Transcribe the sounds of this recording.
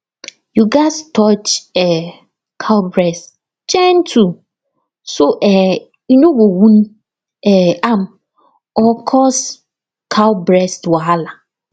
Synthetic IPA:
juɡastʰɔt͡ʃɛ | kʰabɾɛst | t͡ʃɛn̩tʰu | soʔɛ | inoɡowũn | ɛam | ɔkʰɔs | kʰawbɾɛstwaala

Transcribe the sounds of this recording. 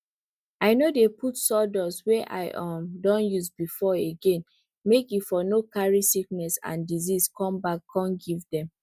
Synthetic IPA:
aɪnodeputsɔdɔswɛʔa̰ɪʔɔmdɔ̃njuzbifɔeɡẽn | mekjufɔnokaɹisiknɛsã̰ndiziskʰɔ̃mbakʰːɔ̃nɡivdɛ̃m

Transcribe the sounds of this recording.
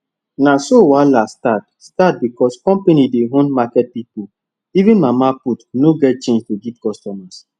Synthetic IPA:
nasowalastat̚stat̚bikɔskɔ̃mpenideɦõnmakɛt̚pipul | ivĩnmamaputnoɡɛt̚t͡ʃẽnd͡ʒtuɡivkɔstɔmas

